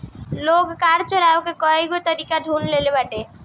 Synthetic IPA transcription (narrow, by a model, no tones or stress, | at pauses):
loɡkaɾt͡ʃɔɾawkekɔeɡet̪əɾikaɖʱunlelebaʈe